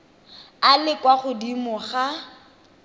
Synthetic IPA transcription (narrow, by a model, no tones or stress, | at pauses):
alɪkwaχʊdimʊχa